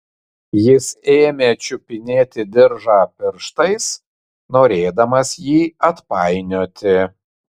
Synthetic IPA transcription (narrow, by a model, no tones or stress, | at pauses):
jɪseːmʲeːt͡ʃʲʊpʲɪnʲeːt̪ʲɪd̪ʲɪɾʒaːpʲɪɾʃt̪ɐɪs | noːɾʲeːd̪ɐmɐsjiːɐt̪pɑˑɪnʲoːt̪ʲɪ